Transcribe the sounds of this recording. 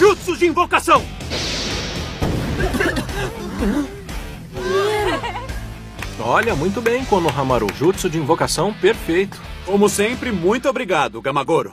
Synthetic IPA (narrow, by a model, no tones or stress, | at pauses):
ʒutsʊzd͡ʒɪĩvokasɐ̃w̃ | ɔʎɐmũj̃t̪̬ʊbẽj̃kwɐ̃nd̪ʊɦɐ̃maɾʊʒut̪sʊd͡ʒɪĩvokasɐ̃w̃peɾfejt̪ʊ̥kõmʊsẽpɾɪmũj̃t̪ʊobɾiɡad̪ʊɡɐmaɡoɾʊ